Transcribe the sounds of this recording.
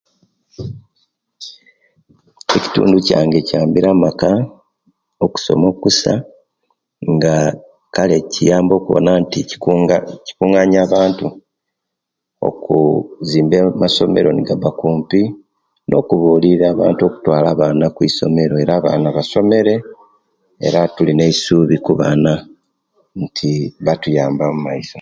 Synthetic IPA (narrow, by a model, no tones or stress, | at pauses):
e̞ci̥tṵːnduca̰ːŋɡe̞caːmbiɾamaka | oku̥so̞̰mo̞kusa̰ | ŋɡa | kale̞cijaːmbo̞ːkuβo̰naːnti | ci̥kuŋaɲaːβaːntu | o̞̰kuziːmbemaso̞me̞̰ɾo̞niɡabakuːmpi | nʔo̞̰ːkuβuːliɾaːβa̰ːntuo̞ku̥twaːlaːβaːnakwiːso̞̰me̞ɾo̞e̞ɾaːβa̰ːnaβaso̞me̞ɾe̞ | ḛɾatuline̞isuːβikuβa̰na | ntʰiβatujaːmbamumaiso